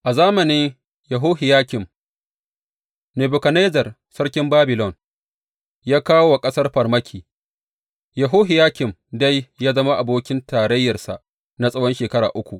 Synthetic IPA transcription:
ʔa˨zaː˦mɐ˨nɪ˦ŋ | jɐ˨ɦoː˦hɪ˨jaː˦kʲɪ˨m | neː˨bʊ˨kɐ˨ne˦zɐ˨r | sɐ˦ɽkʲɪ˦mbaː˦bɪ˨lɔ˦˨n | jaː˦kaː˦wwa˨kʼɐ˦sɐ˦rɸɐ˨rmɐ˦kʲʰiː˨ | jɐ˨ɦoː˦ɦɪ˨jaː˦kʲɪ˨mda˦jːaː˦zɐ˦ma˦ʔa˨boː˦kʲɪ˦ntaː˨ɽɐ˦jːɐ˨rsa˨ʔ | na˦sʼɐ˦wɔ˦nʃeː˨kɐ˦ɽa̰ː˨ʔʊ˦kʷu˨ʔ

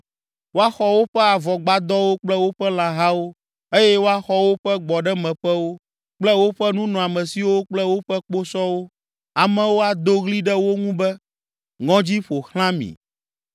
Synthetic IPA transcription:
wo˦a˦xɔ˨wo˦ɸɛ˦a˨vɔ˨ɡ͡ba˨d̪ɔ˦wo˦k͡plɛ˦wo˦ɸɛ˦l̃ã˨ɦa˦wo˦ | e˦jɛ˦wo˦a˦xɔ˦wo˦ɸɛ˦ɡ͡bɔ˨ɖɛ˦mɛ̃˨ɸɛ˦wo˦ | k͡plɛ˦wo˦ɸɛ˦nũ˦nɔ̃˨a˨mɛ̃˨si˨wo˦k͡plɛ˦wo˦ɸɛ˦k͡po˦sɔ˦wo˦ | a˨mɛ̃˨wo˦a˨d̪o˦ɣli˦ɖɛ˦wo˦ŋũ˦bɛ˦ | ŋɔ̃˦d͡ʑi˦ɸo˨xl̃ã˦mḭ̃˨

